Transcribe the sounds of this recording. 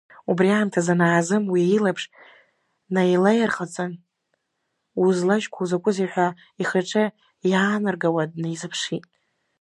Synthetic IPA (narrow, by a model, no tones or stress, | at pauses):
ubriamtʰazanaːzɨmwiilapʰʂ | najlajarχat͡sʼan | uzlaʒkʷʰauzakʷʼʊziħʷa | iχaʈ͡ʂʰʼa | jaːnɨrɡawad̚najzɨpʰʂitʼ